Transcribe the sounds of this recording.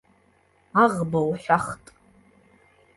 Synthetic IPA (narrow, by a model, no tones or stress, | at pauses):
aʁbowħʷᶣaχtʼ